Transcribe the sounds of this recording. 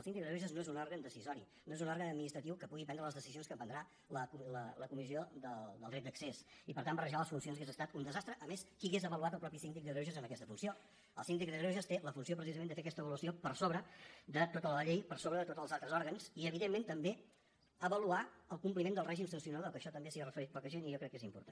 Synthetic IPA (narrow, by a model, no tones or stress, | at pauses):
əlˠsind̪ik̚ððɾoʒəznoezunɔɾɣənd̪əsizɔɾi | noezunɔɾɣənəd̪minist̪ɾət̪iwkəpuɣipɛnd̪ɾələzðəsizionskəmpənd̪ɾa | ləkulələkumizioðəd̪əlˠd̪ɾɛt̪̚d̪əksesipəɾt̪ambərəʒaləsfunsionzɣezəst̪at̪und̪əzast̪ɾəʔəmeskiəɣezəβəluat̪əlˠpɾɔpisind̪ik̚d̪əðɾoʒəzənəkɛst̪əfunsio | əlˠsind̪ik̚ðəɾoʒəst̪eləfunsiopɾəs̬izəmend̪əfeəkɛst̪əβəluəsiopəɾsoβɾəd̪ət̪ot̪ələʎejpəɾsoβɾəðət̪ot̪əlˠzalˠt̪ɾəzɔɾɣənsiəβ̞iðemːent̪əmbe | əβəluaəlˠkumplimend̪əlˠrɛʒimsənsiunaðəlˠkəʃɔt̪əmbesiərəfəɾit̪̚pɔkəʒeniʒɔkɾɛkːezimpṵɾt̪an